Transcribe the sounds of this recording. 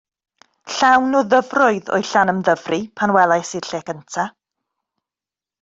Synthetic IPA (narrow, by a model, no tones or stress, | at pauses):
ɬawnuðəvrɔɨðɔ̰jɬanəmðəvripʰanwɛlˠajsi̥ɬeːkəntʰa